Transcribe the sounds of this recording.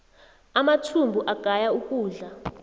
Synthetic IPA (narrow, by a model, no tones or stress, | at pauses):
amatʰumbʱuʔaɡ̥ʱajaukʼuːɮa